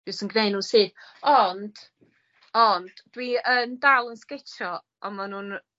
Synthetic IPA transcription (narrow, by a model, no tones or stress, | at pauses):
dɨsənɡneɨnunsɨːθɔnd̥ | ɔnd̥d̥wiəndalˠənskɪtʰɔ | ɔmanuːn